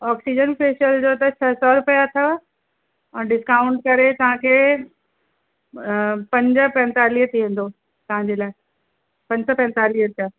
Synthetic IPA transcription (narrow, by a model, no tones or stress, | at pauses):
ɔːksid͡ʑənfeːʃəld͡ʑot̪ɐt͡ɕʰɐsɔɾʊpijat̪ʰə | ɛ̃ɖɪskaːʊ̃ɳʈ̚kɐɾet̪ɐʋ̤ãkʰeː | pɐ̃ɲd͡ʑəpɛ̃ːnt̪aːliːɦət̪ʰiʋẽːn̆d̪o | t̪ɐʋ̤ãɲd͡ʑeːlaːe | pɐ̃ɲsɔpɛ̃ːnt̪aːliːɦəɾtʰja